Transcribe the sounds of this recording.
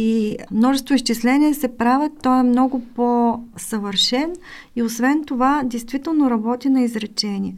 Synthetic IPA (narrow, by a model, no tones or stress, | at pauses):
imnɔʒɛst̪vʊisʃt͡ʃislɛniɛsɛpɾavɛt̪ːɔɛmnɔɡʊposɐvəɾʃɛn | iosvɛnt̪ovad̪ɛjst̪vit̪ɛlˠnoɾɐbɔt̪inɐizɾɛt͡ʃɛniɛ